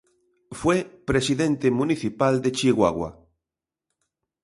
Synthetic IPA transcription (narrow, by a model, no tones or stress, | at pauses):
fwepɾesiðent̪emũniθipald̪et͡ʃiɣwa̰ɣwa̰